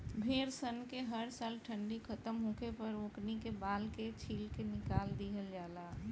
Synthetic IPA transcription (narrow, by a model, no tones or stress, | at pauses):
bʱeːɾsənkeɦəɾsaːlʈʰəɳɖikʰət̪əmɦũkepəɾoːknikebaːlket͡ʃʰiːlkenɪkaːld̪iɦəld͡ʒaːla